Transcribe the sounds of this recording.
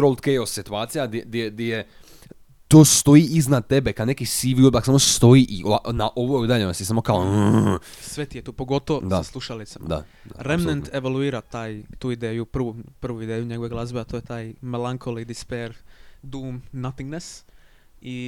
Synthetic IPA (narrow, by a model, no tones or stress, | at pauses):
ɾolˠt̪kejosːit̪uaːt̪sijaɡd̪eɡd̪jeɡd̪jeje | t̪oːst̪o̞iʔiznad̪̚t̪ebekad̪nekisiʋilˠbaksamosst̪o̞iʔiʔoʔnaʔoʋoeid̪aʎeonasisamokao | sʋet̪ijet̪uːpoɡo̞t̪oʋod̪aaslˠuʃalit̪samaa̰aɾemnent̪eʋoluiːɾat̪aːjt̪uːid̪eːjupr̩ʋupr̩ʋuid̪eːjuɲe̞ɡoʋeɡlˠazbeat̪ojet̪aːjmelaŋkʰolid̪ispeɾd̪uːmnat̪iŋɡnes | i